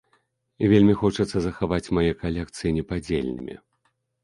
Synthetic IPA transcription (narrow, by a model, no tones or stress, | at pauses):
ivʲelʲmʲixɔt͡ʂɐt̪sːɐzɐxavat͡sʲmajɛkalʲɛk̚t̪sɨjinʲɛpad͡zʲḛlʲnʲɨ̰mʲḭ